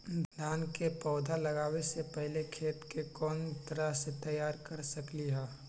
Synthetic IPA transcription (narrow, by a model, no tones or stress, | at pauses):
d̪ʱaːnkepɔːd̪ʱalɐɡaːwesepɛɦlekʰeːt̪kekɔːnt̪ɐɾaset̪ɐjaːɾkɐɾsɐkliɦɛː